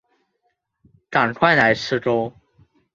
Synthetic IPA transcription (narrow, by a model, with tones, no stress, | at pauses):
ʈ͡ʂa˨˩nkʰwa˥˩ɪna˧˥ɪʈ͡ʂʰɻ̩˥ʈ͡ʂo˥ʊ